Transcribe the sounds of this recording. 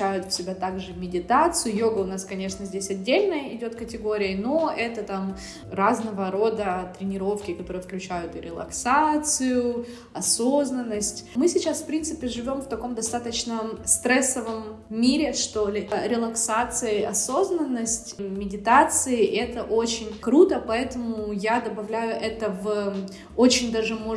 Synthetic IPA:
æjʊt̪fsʲɪbʲat̪aɡʐɨmʲɪdʲɪt̪at̪sɨjʊjoɡəʊnaskɐnʲeʂnəzʲdʲesʲɐdʲːelʲnəjəɪdʲo̞t̪kətʲɪɡo̞ɾʲɪjəno̞ʔɛt̪ət̪am | raznəvəɾo̞d̪ət̪ɾʲɪnʲɪɾo̞fkʲɪkɐt̪o̞ɾəjəfklʲʉt͡ɕæjʊt̪ɨɾʲɪlˠɐ̰ksat̪sɨjʊ | ɐsoznənːəsʲtʲmɨsʲɪt͡ɕasfpɾʲint̪sɨpʲɪʐɨvʲo̞mft̪ɐko̞md̪ɐst̪at̪ət͡ɕnəst̪ɾɛsːəvəmːʲ | iɾʲɪʂt̪olʲɪɾʲɪlˠɐksat̪sɨjəɐso̞znənːəsʲtʲmʲɪdʲɪt̪at̪sɨɪʔɛt̪əʔot͡ɕɪnʲkɾut̪əpɐɛt̪əmʊʊjad̪əbɐvlʲæjʊʔɛt̪əv | o̞t͡ɕɪnʲd̪aʐɨmo

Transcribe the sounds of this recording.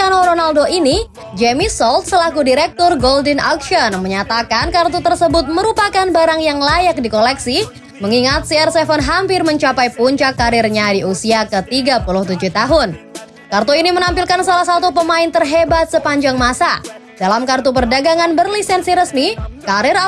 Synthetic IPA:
anoɾonaldoʔini | d͡ʒemisɔlt̪̚səlakudiɾɛk̚t̪ɔrɡoldənakʃɔnməɲat̪akankart̪ut̪ərsəbʊt̪̚məɾupakanbaɾaŋjaŋlajak̚dikolɛksi | məŋiŋat̪̚siɛrsɛfənɦampɪrməɲt͡ʃapajpuɲt͡ʃakːaɾɪrɲadiusiakət̪iɡapuluht̪ud͡ʒuht̪aɦʊn | kart̪uinimənampilkansalahsat̪upəmaɪnt̪ərɦebat̪̚səpaɲd͡ʒaŋmasadalamkart̪upərdaɡaŋanbərlisɛnsiɾəsmikaɾɪr

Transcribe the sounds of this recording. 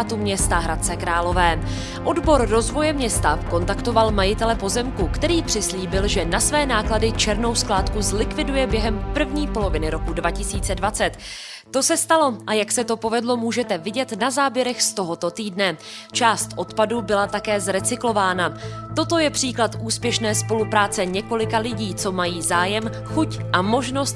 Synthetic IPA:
t̪umɲɛst̪aɦɾat̪̚t͡sɛkɾaːlo̞vɛː | ʔo̞dbo̞ɾːo̞zvo̞jɛmɲɛst̪ako̞nt̪akt̪o̞valmajɪt̪ɛlɛpo̞zɛmkukt̪ɛɾiːpr̥ɪsliːbɪlʒɛnasvɛːnaːkladɪt͡ʃɛɾno̞wsklaːt̪kuzlɪkvɪdujɛbjɛɦɛmpr̩vɲiːpo̞lo̞vɪnɪɾo̞kudvacɪsiːt͡sɛdvat͡sɛt̪ː | o̞sɛst̪alo̞ʔajaksɛt̪o̞po̞vɛdlo̞muːʒɛt̪ɛvɪɟɛt̪nazaːbjɛɾɛxst̪o̞ɦo̞t̪o̞t̪iːdnɛ | t͡ʃaːst̪ʔo̞t̪padubɪlat̪akɛːzɾɛt͡sɪklo̞vaːnat̪o̞t̪o̞jɛpr̥iːklat̪ʔuːspjɛʃnɛːspo̞lupɾaːt͡sɛɲɛko̞lɪkalɪɟiːt͡so̞majiːzaːjɛm | xucʔamo̞ʒno̞st̪

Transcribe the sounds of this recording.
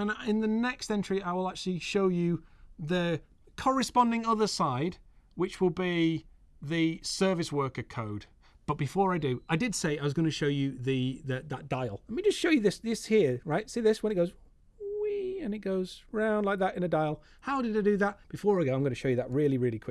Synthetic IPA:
ə̃nɪ̃nðɨnɛkstɛ̃nt͡ʃə̥ɹ̥iaɪwəlˠak̚t͡ʃʉl̩ˠiʃoʊjɨðɨ | kʰɑɹɨspɑ̃ndɪ̃ŋʌðə˞saɪd̥ | wɨt͡ʃwɪlˠbi | ðɨsɜ˞vɨswɜ˞kə˞kʰoʊd̥ | b̥ʌt̚b̥ɨfɔɹaɪdɨaɪdɨd̥seɪaɪwʌzɡʌnɨʃoʊjɨðɨðɨðət̚d̥aɪl̩ˠnmid͡ʒʌstʃoʊjɨðɪsðɪshiɹɹaɪt̚siðɪswə̃nɨt̚ɡoʊz | wiɨ̃nɨt̚ɡ̥oʊzɹãʊ̃ndˡlaɪk̚ðəɾɨ̃nɨdaɪlˠ | haʊɾɨɾaɪdɨðət̚b̥ɨfɔːɹaɪɡoʊaɪ̃mɡʌñɨʃoʊjɨðəʔ̚ɹɪlˠiɹɪlˠikʰw̥ɪ

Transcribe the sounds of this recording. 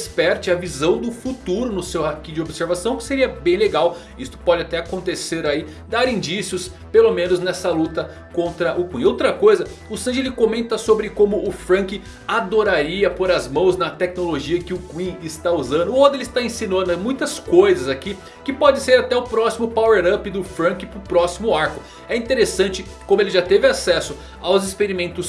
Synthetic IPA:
spɛɾt͡ʃɪɐvizɐ̃w̃d̪ʊfut̪uɾʊnʊsewhakĩd͡ʒɪobseɾvasɐ̃w̃kɪ̥seɾiɐbẽj̃leɡaw | ist̪ʊ̥pɔd͡ʒɪat̪ɛakõnt̪eseɾai | d̪aɾĩd͡ʒisijʊs | pelomẽnʊznɛsɐlut̪ɐ | kõnt̪ɾɐʔʊkwĩowt̪ɾɐkojzɐ | ʊsɐ̃ʒelɪkomẽnt̪ɐsobɾɪkõmʊʔːfɾɐ̃kɪ | ad̪oɾaɾiɐpoɾɐzmɐ̃w̃znɐt̪ɛknoloʒiɐkɪʊkwĩɪst̪auzɐ̃nd̪ʊod̪elɪst̪aẽsinõnɐmũj̃t̪ɐskojzɐzaki | kɪpɔd͡ʒɪseɾat̪ɛʊpɾɔsimʊpaweɾɐpɪd̪ʊfɾɐ̃kɪpɾʊpɾɔsimʊaɾkʊ | ɛĩt̪eɾesɐ̃nt͡ʃɪ | kõmʊelɪʒat̪evɪasɛsʊ | awzɪspeɾimẽnt̪ʊs

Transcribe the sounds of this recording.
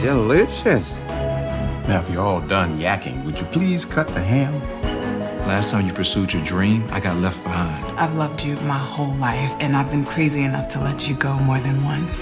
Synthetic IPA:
d̥ɨlɪʃɨs | naʊɨfjɨɔlˠdʌ̃njækɪ̰̃ŋwɨd͡ʒɨpʰl̥iz̥kʰʌt̪̚ðɨɦæ̃m | læstʰãɪ̃mjɨpʰə˞sʉt͡ʃə˞dɹĩma̰ɪɡɑtˡlɛft̚b̥əhãɪ̃nd̥ʔaɪvlʌvd͡ʒɨmaɪhoʊlˠaɪfɨ̃naɪvbɨ̃nkʰɹ̥eɪziɨnʌftʰəlɛt͡ʃɨɡoʊmɔɹðɨ̃nwʌ̃ns

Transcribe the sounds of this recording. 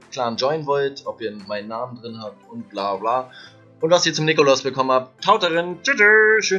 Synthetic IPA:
kʰl̥aːnd͡ʒɔʏənvɔltʔɔpiːɐmaɪnənːaːmən̩dʁɪnhaːp̚tʊnt̚b̥laːblaː | ʔʊntv̥asiːɐt͡sʊmnɪkʊlasb̥əkʰɔmənhaːpttʰaʊtəʁɪnt͡ʃɪtəʃøː

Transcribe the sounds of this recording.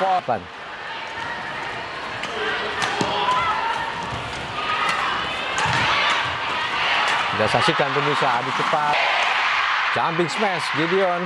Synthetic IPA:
pɔpan | ɡasasikant̪əmusaadit͡ʃəpat̪̚ | d͡ʒampɪŋsmɛsvidion

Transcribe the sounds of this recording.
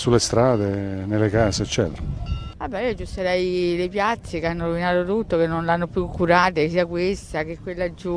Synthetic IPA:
sulːest̪ɾaːd̪enelːekaːseːt͡ʃːɛ̰ːt̪ḛɾaabːɛiːod͡ʒust̪aɾɛjlepjat̪sːekeanːoɾovinaːt̪ot̪ut̪ːokenːonlanːopjukʰːuɾaːt̪es̬iːakwest̪akekːwelːad͡ʒːu

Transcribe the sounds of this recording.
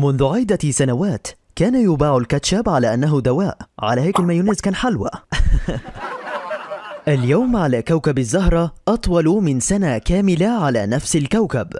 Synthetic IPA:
mʊnðʊʕɪjd̪asanawaːt̪ | kaːnajʊbaːʕʊlkat̪ʃaːbʕalaːʔanːaɦʊd̪awaːʔʕa̰laːhaːkalmaːjʊnɪzkaːnħalwa̰ | ʔaljawmʕalaːkawkabazːaɦɾˤɑʔɑt̪ˤwɑlmɪnsanakaːmɪlaʕala̰ːnafsalkawkab

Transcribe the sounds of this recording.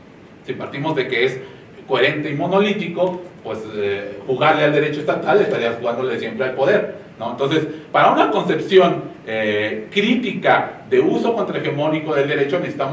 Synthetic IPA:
simpaɾt̪imo̞zðe̞ke̞es | ko̞eɾe̞nt̪e̞imo̞no̞lit̪iko̞pwe̞sexuɣaɾleald̪e̞ɾe̞t͡ʃo̞e̞st̪at̪alest̪aɾiasxuɣand̪o̞le̞sje̞mpɾealpo̞ðe̞ɾnoent̪o̞nse̞spaɾaunako̞nse̞psjo̞ŋ | ekɾit̪ikaðe̞uso̞ko̞nt̪ɾae̞xemo̞niko̞ðeld̪e̞ɾe̞t͡ʃo̞nesi̥t̪amo

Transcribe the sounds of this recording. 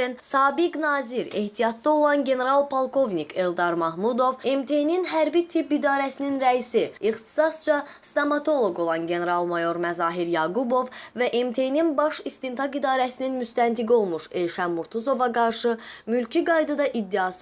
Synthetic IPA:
insɑːbiɡnɑːziɾe̞ht̪ʰijɑt̪̚d̪ɑo̞lˠɑnɟe̞ne̞ɾɑlˠpʰolˠkʰo̞vnikʰe̞lˠd̪ɑɾmɑɦmud̪o̞ve̞mt̪ʰe̞jninɦæɾbit̪ʰipid̪ɑːɾæsininɾæisiiχt̪i̥sɑst͡ʃʰɑ | st̪ɑmɑt̪ʰo̞lˠo̞ɡo̞lˠɑnɟe̞ne̞ɾɑlˠmɑjo̞ɾmæzɑːɦiɾjɑɡubo̞v | væʔe̞mt̪ʰe̞jninbɑʃist̪int̪ʰɑkid̪ɑːɾæsininmyst̪ænt̪ʰiɡio̞lˠmuʃejʃænːuɾt̪ʰuzo̞vɑɡɑɾʃɯmylcʰiɡɑjd̪ɯd̪ɑʔid̪ːiɑs

